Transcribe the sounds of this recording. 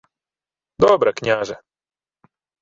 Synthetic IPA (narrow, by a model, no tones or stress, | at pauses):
d̪ɔbɾɛkɲaʒɛ